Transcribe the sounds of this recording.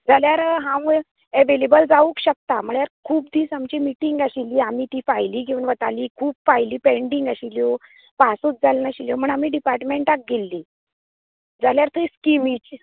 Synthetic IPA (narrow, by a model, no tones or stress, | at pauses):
d͡zaljaɾɦãʋ | eʋelebəld͡zauːkɕək̚t̪am̤əɭjaɾkʰuːb̚d̪ʱiːt͡samt͡ɕiːmiʈiŋɡaɕiliːamiːt̪iːfajliːk̬ĩʋəɳʋət̪aliːkʰuːbfaɦjliːpeɳɖiŋɡəɕiljo | pasuːt͡s̚d͡zʱalnaɕiljom̤əɳamiːɖipaɾʈmeɳʈak̚ɡelːiː | d͡zaljaɾt̪ʰiskimit͡ɕ